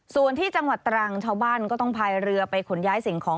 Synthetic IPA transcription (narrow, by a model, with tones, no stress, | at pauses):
su˨˩ənt̪ʰiː˥˩t͡ɕa˧ŋwa˨˩t̪ːɾa˧ŋt͡ɕʰaː˥˩wbaː˥˩nkɔː˥˩t̪ɔ˥˩ŋpʰaː˧jɾɯ˧ɐpa˧jkʰo˩˦njaː˦˥jsi˩˦ŋkʰɔː˩˦